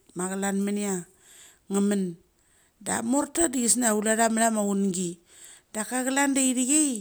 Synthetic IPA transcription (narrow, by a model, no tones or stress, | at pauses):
maɣalanmania | ŋəmən | da̰moɾtadiɡisnaulaɾamlamaunɡi | dakaɡalandaiɾiɡej